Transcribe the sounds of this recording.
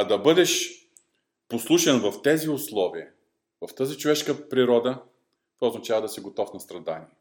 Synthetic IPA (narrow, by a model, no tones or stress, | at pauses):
ɐd̪ɐbɤd̪ɛʃ | poslˠuʃɛnvɐft̪ɛziʊslˠɔviə | vɐft̪ɤzit͡ʃovɛʃkəpɾiɾɔd̪ə | t̪ɔoznɐt͡ʃavəd̪ɐsɛɡot̪ɔfnɐst̪ɾɐd̪a̰niɛ